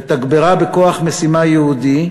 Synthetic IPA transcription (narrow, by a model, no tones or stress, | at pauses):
t̪aɡbeʁabeko̞aχmesimajeud̪i